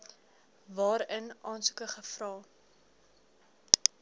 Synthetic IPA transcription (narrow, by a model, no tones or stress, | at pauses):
vɑːɾənʔɑːnsu̥kəχəfrɑː